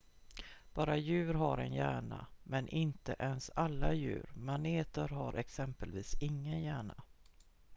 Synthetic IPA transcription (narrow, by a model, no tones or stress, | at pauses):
b̥ɑːɾajʉ̟ːɾɦaɾɛnjæːɳamɛnʔɪnt̪əʔɛnsalːajʉ̟̰ːɾmaneːt̪əɾɦaɾʔɛksɛmpəlviːsɪŋːənjæːɳa